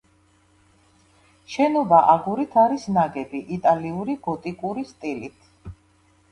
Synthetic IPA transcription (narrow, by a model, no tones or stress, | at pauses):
ʃɛnɔbaʔaɡuɾit̪ʰaɾisnaɡɛbiʔit̪ʼaliuɾiɡɔt̪ʼikʼuɾist̪ʼilit̪ʰ